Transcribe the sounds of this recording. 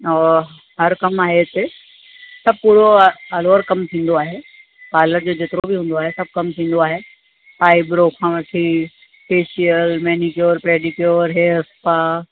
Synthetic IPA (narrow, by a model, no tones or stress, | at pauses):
ɔː | ɦɐɾkɐmaːɦet̪e | sɐb̚puːɾoɐloːɾkɐmt̪ʰĩːn̆d̪oaːɦeː | paːləɾd͡ʑoːd͡ʑeːt̪ɪɾobɪɦũːn̆d̪oaːɦesɐb̚kɐmt̪ʰĩːn̆d̪oaːɦe | paːɪbɪɾoːkʰãːʋɐʈʰi | speːʃijəlmɛːnikjoːɾpɾeːɖɪkjoːɾɦeːɐspaː